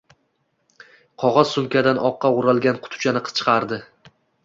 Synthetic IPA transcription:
qʰɒʁɑz̥sʊmkʲad̪anʔɒqːɑʊɾalˠɡʲanqʰʊ̥t̪ʰʊ̥t͡ʃʰanɪqʰɨ̥t͡ʃʰɨ̥qʰɑɾd̪ɪ

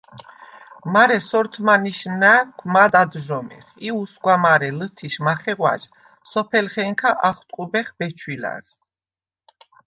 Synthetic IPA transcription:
maɾɛsɔɾt̪ʰmaniʃnakʷʰmad̪ad̪ʒɔmɛ̰χiusɡwamaɾɛlət̪ʰiʃmaχɛʁwa̰ʒ | sɔpʰɛlχɛŋkʰaʔaχt̪ʼqʼubɛχbɛt͡ʃʰwila̰ɾs

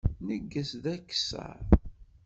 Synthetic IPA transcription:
nəɡːəsðækːsə̰ɾ

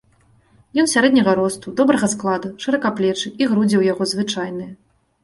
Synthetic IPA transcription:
jɔnsʲaɾɛd̪nʲɐɣɐɾɔst̪ud̪ɔbɾɐɣɐsklˠad̪uʂɨɾɐkaplʲɛt͡ʂɨiɣɾud͡zʲiwjaɣɔzvɨt͡ʂajnɨjɐ

